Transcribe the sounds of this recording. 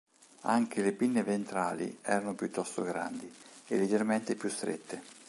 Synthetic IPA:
aŋk̟ʰelepinːevent̪ɾaːlḭɛːɾanopjut̪ːɔst̪oɡɾa̰nd̪iḛlːed͡ʒerment̪epjust̪ɾḛt̪ːe

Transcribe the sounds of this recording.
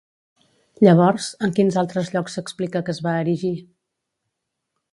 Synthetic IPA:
ʎəβ̞ɔɾzəŋkinzalˠt̪ɾəzʎɔksːəksplikəkəzβaːɾiʒi

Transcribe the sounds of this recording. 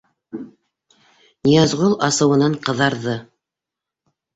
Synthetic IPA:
nʲijɑzʁolˠɑsɤ̆wɤ̆nɑɴqɤ̆ðɑɾðɤ

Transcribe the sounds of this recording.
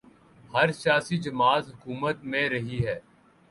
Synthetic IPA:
hɐɾsjaːsid͡ʒɐmaːzɦʊkuːmət̪mẽɾɐɦiɦɛː

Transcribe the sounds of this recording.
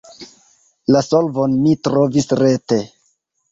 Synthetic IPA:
laso̞lvonmitɾo̞visɾe̞te

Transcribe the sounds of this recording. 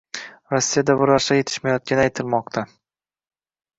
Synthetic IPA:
ɾosːijad̪abʊɾaɾsaje̞t̪ʰɪ̥ʃmajɒt̪̚kʲʰanɪajt̪ʰɪlˠmɒqt̪ʰa

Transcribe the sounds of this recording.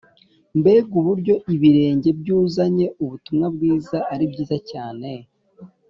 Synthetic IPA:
mbe̞ɡuβuɾɟo̞ʔiβiɾe̞ːɲɟe̞bjuːzaɲe̞ʔuβutumŋab̚ɡiːzaaɾibɟiːzacaːne̞

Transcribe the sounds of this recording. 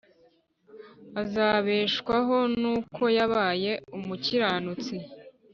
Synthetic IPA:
azaːβeːʃkwaɦo̞nnuːkʰo̞jaβaːje̞umuciɾaːnut͡si

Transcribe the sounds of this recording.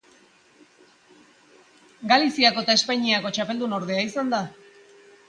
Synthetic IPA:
ɡalisiako̞et̪ae̞spaɲiako̞t͡ʃape̞ld̪uno̞ɾð̞e̞aisand̪a

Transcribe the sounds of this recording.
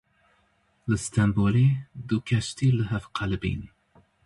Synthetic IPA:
lɨst̪ʰɛmbolid̪ukʰɛʃt̪iːlɨɦɛvqʰælbḭːn

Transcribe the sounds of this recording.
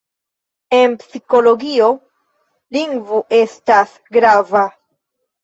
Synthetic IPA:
e̞npsiko̞lo̞ɡio̞ | liŋɡvoʔe̞stas | ɡɾava

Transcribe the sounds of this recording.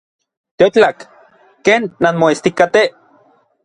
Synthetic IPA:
t̪eot͡ɬakː | eːnːanmoest̪ikat̪e

